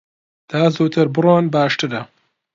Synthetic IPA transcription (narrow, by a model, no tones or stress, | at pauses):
d̪̥aːzuːt̪ʰɨɾbɨroːnbaːʃt̪ɨɾɐ